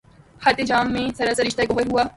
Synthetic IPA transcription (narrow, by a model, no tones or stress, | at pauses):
hɐt̪ed͡ʒaːmːẽsɐɾaːsɐɾɪʃt̪aeɡoɦəɾɦuaː